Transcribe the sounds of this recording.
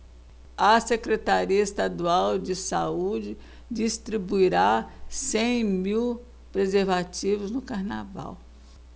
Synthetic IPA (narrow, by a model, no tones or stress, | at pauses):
ɐsekɾet̪aɾiɐist̪ad̪uawd͡ʒɪsaud͡ʒɪ | d͡ʒist̪ɾibuiɾasẽj̃miw | pɾezeɾvat͡ʃivʊznʊkaɾna̰va̰w